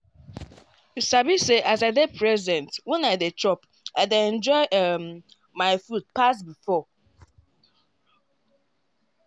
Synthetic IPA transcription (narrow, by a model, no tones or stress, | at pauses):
sabiseʔazaɪded̚pɹɛzɛ̃ntwɛ̃naɪdetɹɔp | aɪdeɛ̃nd͡ʒɔɪʔ | maɪfud̚pasbifɔ